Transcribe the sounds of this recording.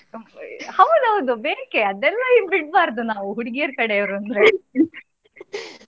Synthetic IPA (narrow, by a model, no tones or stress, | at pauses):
hɐʋd̪ɐʋd̪ubeːkeɐd̪ɛlːɐiʋbiʈ̚baːɾd̪unaːʋuɦuɽiɡijɐɾkɐɽeiʋɾuɐnd̪ɾe